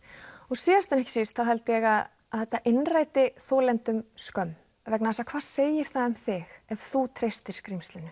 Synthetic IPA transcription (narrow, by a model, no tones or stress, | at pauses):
ɔɣsiːðast̪anɛhcɪ̥sist̪θawɦɛlt̪ɪjɛɣaðː | ðɛht̪ːaʔɪnraːjt̪ɪθɔːlɛnt̪ʏmskœm | vɛknɛsakʰv̥aːɾ̥seːjɪɾ̥θaʏmθɪxɛv̥θut̪ʰɾejst̪ɪɾ̥skɾimst̪lɪnʏ